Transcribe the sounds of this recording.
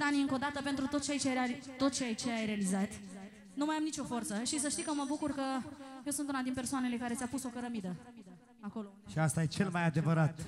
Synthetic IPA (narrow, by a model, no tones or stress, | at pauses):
d̪aniɨŋko̞d̪at̪əpent̪ɾut̪o̞t̪st͡ʃeajt͡ʃeit̪o̞t̪t͡ʃeajt͡ʃe̞ajɾe̞alizat̪ | numajamnit͡ʃo̞fo̞rt̪səʃis̬əʃt̪ijkəməbukurkəje̞wsɨnt̪unad̪inpe̞rsoane̞le̞kaɾe̞t̪sʲapuso̞kəɾəmid̪ə | ako̞loʃiast̪aje̞t͡ʃe̞lmajad̪e̞vəɾat̪